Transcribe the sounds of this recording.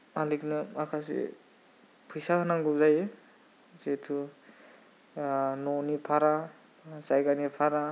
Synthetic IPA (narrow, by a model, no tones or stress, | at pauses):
aliknɯakʰas̬ḭ | pʰɯjsahɯnaŋɡɯwzaj | zetʰu | nɔnipʰaɾa | zajɡanipʰaɾa